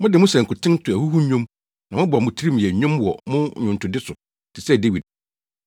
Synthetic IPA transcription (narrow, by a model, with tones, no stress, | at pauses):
mʊ̃˦dɪ˨mʊ̃˦sɛ̃˨ŋ̩˨kʰʊ˨tʰɪ̃˦n˦tʰʊ˨æ˨hu˦hu˦ɲũ˦m | nã˨mʊ̃˦bʊ˨mʊ̃˨tʰi˦ɾi˦m˨jɛ˨ɲʊ̃˦mwɔ˨mʊ̃˦˨ɲʊ̃˨n̩˨tʰʊ˨dɪ˦sʊ˨ | tʰɪ˨sɛ˦˨de˦wi˨d̚